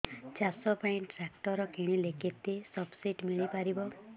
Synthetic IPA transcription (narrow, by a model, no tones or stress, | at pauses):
t͡ʃasɔpɔiɳʈɾakʈɔɾɔkeɽ̃ilekit̪ːesɔbsiʈmiɭipaɾibɔ